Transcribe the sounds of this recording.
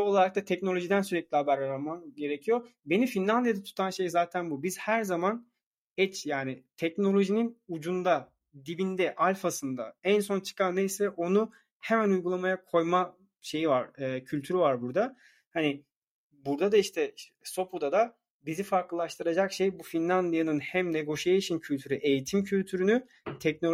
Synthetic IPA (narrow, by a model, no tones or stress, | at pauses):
o̞lˠaɾak̚t̪at̪ʰɛcno̞lʲo̞ʒid̪æns̬yɾɛc̚lʲihabæɾaɾamanɟe̞ɾecʰijo̞be̞nifinlʲˠand̪jad̪at̪ʰu̥t̪ʰanʃe̞jzaːt̪ʰænbubiz̥hæɾzaman | ɛt͡ʃjaːnit̪ʰɛcno̞lʲo̞ʒininud͡ʒund̪a | d̪ibind̪ɛʔalʲfasɯnd̪a̰ænso̞nt͡ʃʰɯ̥kanːejsɛʔo̞nu | hemænujɡulˠamajakʰo̞jma | ʃe̞jivaɾ̥ɯːcʰylʲt̪ʰyɾyvaɾbuɾd̪a | hanɪ | buɾd̪ad̪aiʃt̪ʰɛso̞pʰud̪ad̪a | bizifaɾklˠɯlˠaʃt̪ʰɯɾad͡ʒakʃejbufinlʲˠand̪ijanɯnhæmneɡo̞ʃajiʃʰincʰylʲt̪ʰyɾyʔe̞jit̪ʰimcʰylʲt̪ʰyɾyny | t̪ʰɛc̚no